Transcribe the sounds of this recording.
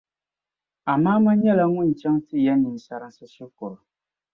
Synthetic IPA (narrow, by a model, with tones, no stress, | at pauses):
a˨maː˦ma˦ɲɛ˦la˨ŋʊ˦˨n̩˨t͡ʃɛ˦ŋtɨ˦ja˦ni˨sa˦ɾɨ˦sɨ˦sɛ˦kʊ˨ɾʊ˨